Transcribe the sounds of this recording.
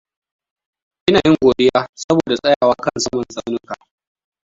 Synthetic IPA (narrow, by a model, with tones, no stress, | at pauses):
ʔɪ˦naː˨jɪ˦ŋɡʷoː˨ɗɪ˦jaː˦sɐ˦boː˨da˨sʼɐ˦jaː˨waː˦kɐ˦nsɐ˦mɐ˨nsʼa˦wnʊ˦kaː˨